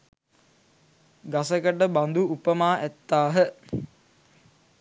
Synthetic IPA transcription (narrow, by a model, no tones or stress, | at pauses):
ɡasəkəʈəband̪uupəmaːʔæt̪ːaːɦə